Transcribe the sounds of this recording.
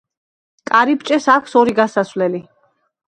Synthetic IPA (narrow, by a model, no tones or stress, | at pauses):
kʼaɾipt͡ʃʼɛsakʷʰsɔɾiɡasasvlɛli